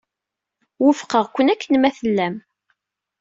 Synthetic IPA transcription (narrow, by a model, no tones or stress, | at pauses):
wəfqəʁkʷːənækːənmæθəlːæm